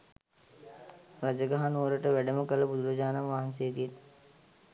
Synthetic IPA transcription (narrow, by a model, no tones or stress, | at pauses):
ɾad͡ʒəɡaɦanoːɾəʈəʋæɖəməkələbud̪uɾɐd͡ʒaːnamʋaɦɐnsejəɡ̪ijet̪